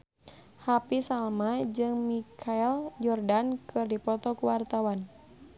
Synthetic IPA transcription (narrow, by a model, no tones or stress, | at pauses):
hapisalmad͡ʒɨŋmikʰaɛljɔrdankʰɨrdipɔt̪ɔkuwart̪awan